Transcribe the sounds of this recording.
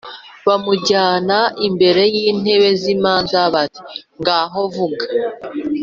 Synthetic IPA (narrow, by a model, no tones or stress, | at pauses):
βamuɟaːnaʔimbe̞ɾe̞jiːn̥e̞βe̞zimaːnzaβati̥ŋɡaːɦo̞vuɡḁ